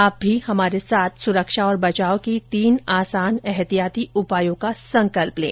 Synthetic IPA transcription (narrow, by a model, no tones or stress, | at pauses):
aːp̚bʱihɐmaːɾesaːt̪ʰsʊɾəkʃaɔːɾbɐt͡ʃaːokit̪iːnaːsaːnɛɦt̪ijaːt̪iʊpaːjõkasɐ̃ŋkəlplḛ̃ː